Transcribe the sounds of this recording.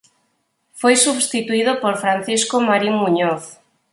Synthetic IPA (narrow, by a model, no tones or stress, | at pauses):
fojsuβst̪it̪uiðopoɾfɾanθiskomaɾimuɲɔθ